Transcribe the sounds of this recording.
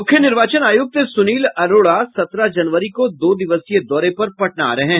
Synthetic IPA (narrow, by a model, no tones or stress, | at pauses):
mʊkʰːjənɪɾʋaːt͡ʃənaːjʊk̚t̪sʊniːlɐɾoːɽasɐt̪ɾad͡ʒɐnʋəɾikod̪oːd̪ɪʋəsjed̪ɔːɾepɐɾpɐʈna̰ːɾɐɦɛ̃ː